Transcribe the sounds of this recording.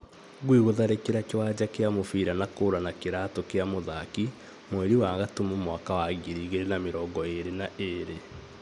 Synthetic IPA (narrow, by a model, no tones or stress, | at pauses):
ɣwiɣoðaɾekeɾakewad͡ʒakeamofiːɾanakoːɾanakeɾatokeamoðaki | moeɾiwaŋɣatumumwakawaɣiɾiɣeɾenameɾɔːɡɔeɾenaʔeɾe